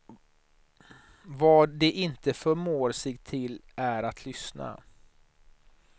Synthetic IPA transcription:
vɑːd̪ɛʔɪnt̪əfœɾmoːɾsɛɡt̪ʰɪlæɾat̪ʰlʏsna̰

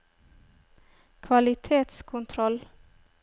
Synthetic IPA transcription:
kʰʋɑlɪt̪ʰeːt̪skʰʊnt̪ʰɾɔl

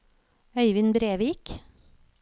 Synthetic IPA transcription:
œʏʋɪnbɾeːʋik

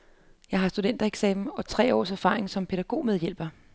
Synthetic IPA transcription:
jɑ̈ɪɦɑ̈sd̥ud̥en̰d̥ɐeɡ̥sɛːmn̩ɒ̽t͡sʰʁɛ̰ːɒ̰ːsæɐfɑ̈ːʁeŋsɒ̽mpʰe̝ɾ̥æɡ̥o̝̰ːmeðˠjel̰b̥ɐ

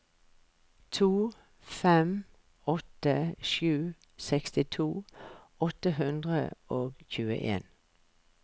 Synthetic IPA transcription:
t̪ʰuː | fɛm | ɔt̪əʃʉː | sɛkst̪ɪt̪ʰuː | ɔt̪əhʉnd̪ʁə̰oːɡçʉːə̰ʔḛːn

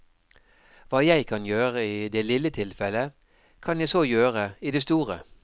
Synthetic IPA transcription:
ʋɑːjæɪkʰɑnjøːʁəiːd̪eːlɪlət̪ʰɪlfɛlə | kʰɑnjæɪsoːjøːʁəiːd̪eːst̪uːʁə̰

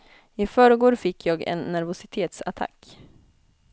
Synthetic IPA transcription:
ɪfœːɾəɡoːɖfɪkːjɑːɡɛ̰nːæɾvʊsɪt̪ʰeːt̪sa̰t̪ʰa̰kː

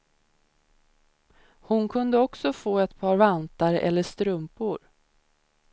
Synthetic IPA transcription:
hʊnkʰɵnd̪əɔksɔfoːɛt̪pʰɑːɾvant̪aɾʔɛ̰lːəʂt̪ɾɵmpʊɾ

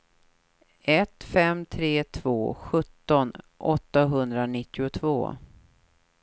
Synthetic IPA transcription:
ɛt̪fɛmt̪ʰɾeːt̪ʰv̥oːɧɵt̪ːɔn | ʔɔt̪ːaɦɵnd̪ɾanɪt̪ːɪʊt̪ʰvo̰ː

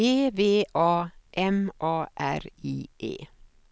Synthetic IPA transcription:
eːʋeːʔɑːʔɛmʔɑːʔæ̰ɾiːʔḛː

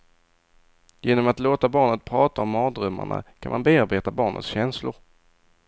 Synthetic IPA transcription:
jeːnɔmat̪loːt̪abɑːɳət̪̚pʰɾɑːt̪aɔmːɑːd̪ɾɵmːa̰ɳa̰kʰanma̰nbeːaɾbeːt̪abɑːɳə̰t̪sɕɛnslʊɾ

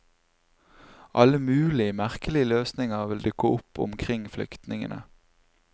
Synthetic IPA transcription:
ʔɑləmʉːlɪəmæʁkəlɪəløːsnɪŋəʁʋɪld̪ʏkəʔʊpʰʊ̰mkʰʁɪŋflʏ̰kt̪nɪŋə̰nʔə̰

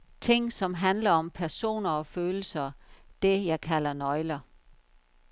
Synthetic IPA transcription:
t͡sʰe̝ŋ̰sɒ̽mɦænlɐɒ̽mpʰæɐso̝̰ːnɐɒ̽føːl̩sɐd̥e̝jɑ̈ɪkʰælɐnɒ̽ɪlɐ

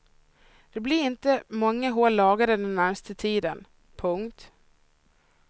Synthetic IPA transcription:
d̪̥ɛblɪɾɪnt̪əmɔŋːəɦoːlːɑːɡaɾəd̪ɛnːæɾmst̪ət̪ʰiːd̪ən | pʰɵŋkt̪

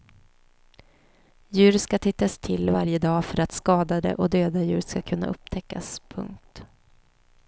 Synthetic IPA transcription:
jʉ̟ːɾskat̪ʰɪt̪ːast̪ʰɪlvaɾjəd̪ɑːfœɾat̪skɑːd̪ad̪ə̰ʔɔd̪øːd̪ajʉ̟ːɾskakʰɵnːa̰ʔɵpt̪ʰɛkːaspʰɵ̰ŋk̚t̪

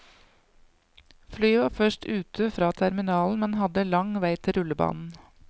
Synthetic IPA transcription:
flyːʋɑːfœʃʈʉːt̪ʰəfɾɑːt̪ʰæɾmɪnɑːln̩mɛnhɑd̪əlɑŋʋæɪt̪ʰɪɾʉləbɑ̰ːnn̩

